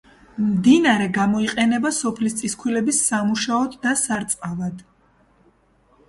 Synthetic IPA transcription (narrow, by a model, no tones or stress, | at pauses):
md̪inaɾɛɡamɔiqʼɛnɛbasɔpʰlist̪sʼiskʰwilɛbisːamuʃaɔd̪ːasaɾt̪sʼqʼavad̪̥